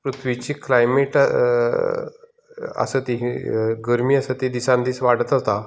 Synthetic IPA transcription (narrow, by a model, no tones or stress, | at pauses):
pɾut̪ʰʋit͡ɕiːklajmeʈ | ə̰sət̪iɦiɡəɾmiːəsət̪id̪isãnd̪iːsʋaɽ̤ət̪ɦot̪a